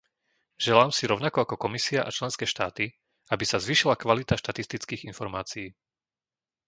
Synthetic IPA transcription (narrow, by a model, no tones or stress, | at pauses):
ʒ̥ɛlaːmsiɾɔʊnakɔakɔkɔmisiaʔa̰t͡ʃlɛnskɛːʃt̪aːt̪i | abisazʋiːʃilakʋalit̪aʃt̪at̪ist̪it͡skiːɣinfɔɾmaːt͡siː